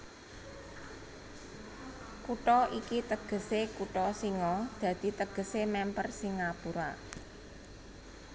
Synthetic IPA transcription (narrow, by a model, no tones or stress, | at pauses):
kuʈɔʔikit̪əɡ̥ə̤sekuʈɔsiŋɔd̪̥ä̤d̪̥i̤t̪əɡ̥ə̤semɛmpərsiŋapuɾa